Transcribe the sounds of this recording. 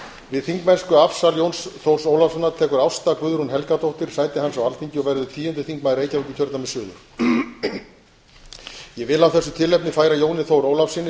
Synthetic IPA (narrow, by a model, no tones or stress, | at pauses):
vɪðθiŋkmɛnskʏafsaljownsθowɾ̥soːwlafsanːaɾt̪ʰɛːkʏɾawst̪akvʏðʏɾ̥hunɦɛlkat̪ʰowht̪ɪɾ̥saːjt̪ɪhanːsawalt̪ʰiɲcɪɔvɛɾðʏt̪ʰiːjʏnt̪ʏθiŋkmaðɪɾeːjcaɾɛcʏ̥t̪ʰœɾt̪namɛsʏːðʏ̰ɾ̥ | jɛvɪlawθɛsːʏt̪ʰɪlːɛjpnɪfaːjɾajoːwnɪθowɾoːwlafsɪnɪ